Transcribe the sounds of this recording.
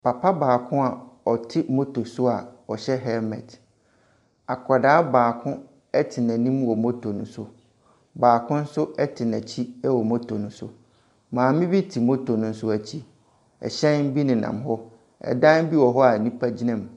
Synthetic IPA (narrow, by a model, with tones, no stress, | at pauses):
pa˨pʰa˦baː˨kʰʊ̃˦a˨ɔ˨tʰɪ˦mo˦tʰo˨sʊ˦a˨ɔ˨ɕɛ˦ɦɛ˦mɛ̰̃˨t | a˨kʰa˨daː˦baː˨kʰʊ̃˦ | ɛ˦tʰɪ˨nã˨nĩ˦m˦wɔ˨mo˦tʰo˨nʊ̃˨sʊ̰˦ | baː˨kʰʊ̃˦n̩˦sʊ˦ɛ˦tʰɪ˨næ̃˨t͡ɕʰi˦ɛ˦wɔ˨mo˦tʰo˨nʊ̃˨˦sʊ̰˦ | mãː˨mɪ̃˦bi˦tʰi˨mo˦tʰo˨nʊ̃˨n̩˦sʊ˦æ˨t͡ɕʰi˦ | ɛ̰˨ɕɛ̃˦n̩˦bi˦nɪ̃˨nã̰˨mɦɔ˦ | ɛ̰˨dã˦n˦bi˦wɔ˨ɦɔ˦a˨nĩ˦pʰa˦d͡ʑi˦nɛ̃˨m˨